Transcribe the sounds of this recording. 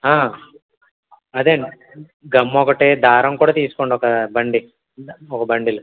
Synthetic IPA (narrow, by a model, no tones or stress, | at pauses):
ɦaː | ɐd̪eːɳɖi | ɡɐmːɔːkɐʈːeːd̪aːɾɐmkuːɽaːt̪iːsu̥koɳɖɔkɐbɐɳɖi | ɔkɐbɐɳɖilu